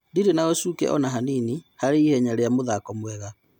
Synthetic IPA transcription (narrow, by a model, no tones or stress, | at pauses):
ndiɾenaɣɔsuːkɛ̰ʔɔnaɦaninihaɾeihɛɲaɾeamoðakɔmwɛɣa